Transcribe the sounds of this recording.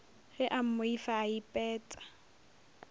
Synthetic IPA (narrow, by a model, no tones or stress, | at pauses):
ɣɪʔam̩mʊifaːipʼɛːt͡sʼḁ